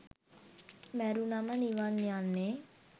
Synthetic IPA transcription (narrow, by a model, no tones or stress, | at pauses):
mɛːɾunamaniʋaːnːjaːnːe